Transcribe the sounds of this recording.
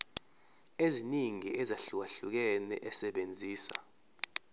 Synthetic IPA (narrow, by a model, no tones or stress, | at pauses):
eziniŋiʔɛzaɬuwaɬuk̬ɛnɛ̰ʔɛsɛɓend͡zʱiːsa̰